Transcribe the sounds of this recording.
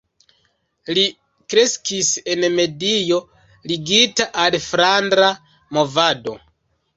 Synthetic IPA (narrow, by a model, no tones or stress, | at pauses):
li | kɾe̞skise̞nme̞dijo̞ | liɡitaʔalfɾandɾa | mo̞vado̞̰